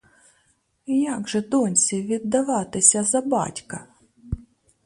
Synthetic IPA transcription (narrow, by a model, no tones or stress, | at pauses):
jaɡʒɛd̪ɔnʲsʲiʋʲid̪ːɐʋɑt̪ɪsʲɐzɐbɑ̰tʲkɐ